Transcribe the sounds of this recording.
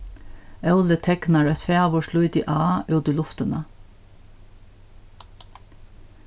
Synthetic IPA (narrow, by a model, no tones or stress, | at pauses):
œʉlət̪ʰɛknɑɹɛt̪feːʋʊʃlut̪ḭːʔɑːʔʉːd̪əlʊft̪ənə